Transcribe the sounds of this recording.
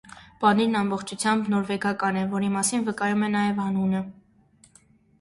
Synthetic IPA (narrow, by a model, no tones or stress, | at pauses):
b̥ɑniɾnɑmbɔχt͡ʃʰut͡sʰjɑmbnɔɾvɛɡɑkɑnɛvɔɾimɑsinvəkɑjumɛnɑjɛvhɑnunə